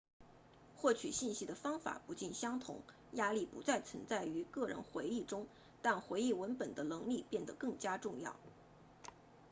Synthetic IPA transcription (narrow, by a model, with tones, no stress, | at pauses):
xwɔ˥˩t͡ɕʰy̰˨˩ɕi˥˩nɕi˥d̪ə˨fɑ˥ŋfa̰˨˩˦pu˧˥t͡ɕi˥˩nɕjɑ˥ŋt̪ʰʊ̰˧˥ŋ | ja˥li˥˩pu˧˥t͡sa˥˩ɪt͡sʰwə˧˥nt͡sa˥˩ɪy˧˥kɤ˥˩ɻə̰˧˥nxwe˧˥ɪi˥˩ʈ͡ʂʊ˥ŋ | t̪a˥˩nxwe˧˥ɪi˥˩wə˧˥npə˨˩nd̪ə˦nɤ˧˥ŋli˥˧pjɛ˥˩nd̪ə˩kɤ˥˩ŋt͡ɕja˥ʈ͡ʂʊ˥˧ŋjɑ̰˥˩ʊ